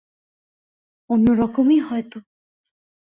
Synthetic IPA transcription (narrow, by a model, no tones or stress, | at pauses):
onːoɾɔkomiɦɔjt̪o